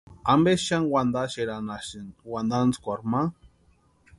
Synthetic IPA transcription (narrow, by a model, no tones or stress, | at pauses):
ambeʃanwand̪aʃeɾanaʃinwand̪ant͡skʷaɾma